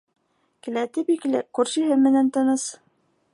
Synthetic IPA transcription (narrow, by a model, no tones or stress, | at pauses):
kɘ̆læt̪ɘpikɘ̆lɘ̰kʉɾʃiɦɘmɘ̆nænt̪ɤ̆nɤs